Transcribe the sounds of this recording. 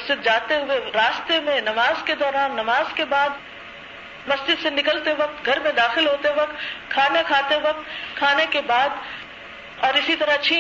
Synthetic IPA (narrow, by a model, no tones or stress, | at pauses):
sd͡ʒɪd̪̚d͡ʒaːt̪eɦʊeɾaːst̪emẽnɐmaːzked̪ɔːɾaːnːɐmaːzkebaːd̪ | mɐsd͡ʒɪd̪senɪkəlt̪eʋɐk̚t̪ɡʱɐɾmẽd̪aːxɪlɦoːt̪eʋɐk̚t̪kʰaːnakʰaːt̪eʋɐk̚t̪kʰaːnekebaːd̪ | ɔːɾɪsit̪ɐɾat͡ʃʰĩː